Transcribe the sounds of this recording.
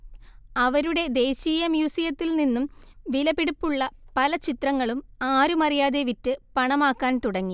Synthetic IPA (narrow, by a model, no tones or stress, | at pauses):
ɐʋɐɾuɽe̞d̪e̞ːɕiːjɐmjuːsijɐt̪ːilninːumʋilɐbiɽupːuɭːɐpɐlɐt͡ɕit̪rɐŋːɐɭumaːɾumɐrijaːðe̞ʋitːɨpɐɳɐmaːkːaːnt̪uɽɐŋːi